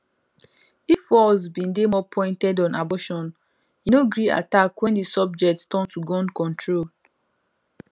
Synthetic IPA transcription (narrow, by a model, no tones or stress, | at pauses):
iffɔsbĩndemɔpʰɔ̃ɪ̃ntɛdɔ̃nabɔʃɔ̃n | jinoɡɹia̰takwɛ̃ndisɔb̚d͡ʒɛk̚tstɔ̃ntuɡɔ̃nkɔ̃ntʰɹol